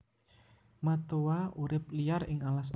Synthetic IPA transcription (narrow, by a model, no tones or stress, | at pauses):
mat̪owauɾɪp̚liarɪŋalas